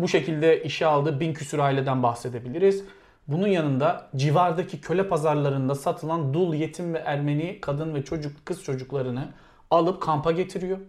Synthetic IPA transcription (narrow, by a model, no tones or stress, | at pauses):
buʃe̞cʰilʲd̪ɛʔiʃialˠd̪ɯːbincʰysyɾaːilʲed̪ænbaxse̞d̪e̞bilʲiɾiz̥ | bununjanɯnd̪ad͡ʒivaɾd̪acʰicʰø̞lʲɛpʰazaɾlˠaɾɯnd̪asat̪ʰɯlˠand̪ulˠje̞t̪ʰimvɛʔæɾme̞nikʰad̪ɯnvɛt͡ʃʰo̞d͡ʒukkʰɯst͡ʃʰo̞d͡ʒuklˠaɾɯnɯ | alˠɯp̚kʰampʰaɟe̞t̪ʰiɾijo